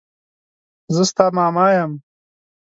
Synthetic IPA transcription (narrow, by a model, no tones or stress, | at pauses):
zəst̪aːmaːmaːjɐm